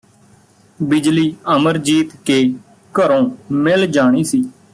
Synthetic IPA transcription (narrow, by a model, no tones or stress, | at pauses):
bɪd͡ʒliːəməɾd͡ʒiːt̪keː | kəɾõːmɪld͡ʒaːɽ̃iːsiː